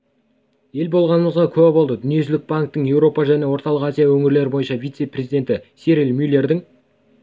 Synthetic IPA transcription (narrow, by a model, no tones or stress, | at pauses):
e̞lbo̞lˠʁɑnəməzʁɑkʲʰɵæbolˠd̪əd̪ʏnije̞ʒɪlɪk̚baŋk̚t̪ːəŋje̞wɾo̞pɑʒæne̞wo̞ɾt̪ɑlˠəqazijawɵŋɪɾle̞ɾɪbojənʃɑvʲijt̪se̞prʲe̞zid̪ʲe̞nt̪ɪseɾjilmʲyleɾd̪ɪŋ